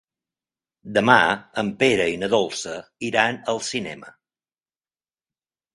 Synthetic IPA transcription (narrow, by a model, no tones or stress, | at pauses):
d̪əmaəmpeɾəinəðɔlˠsəiɾanəlˠsinɛ̰mə̰